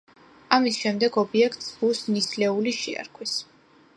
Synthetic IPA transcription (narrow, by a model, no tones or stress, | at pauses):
amisʃɛmd̪ɛɡɔbiɛkʰt̪sbusnislɛuliʃḭa̰ɾkʰwis